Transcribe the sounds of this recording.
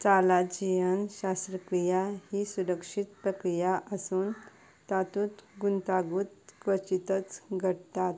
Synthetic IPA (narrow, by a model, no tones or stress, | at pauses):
t͡salad͡ʑiʋənɕast̪ɾəkɾijahisuɾəkʂit̪pɾəkɾijaʔəsuːn | t̪at̪ut̪ɡunt̪aɡuːt̪kʋət͡ɕit̪ət͡sɡʱəɽt̪at̪